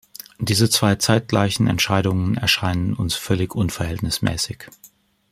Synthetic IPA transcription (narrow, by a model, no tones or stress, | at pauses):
d̥iːzət͡sv̥aɪt͡saɪt̚ɡ̥la̰ɪçn̩ɛ̰ntʃaɪɾʊŋənɛ̰ɐʃaɪnənʊ̰nsfœlɪçʔʊnfɛɐɦɛltnɪsmɛ̰ːsɪç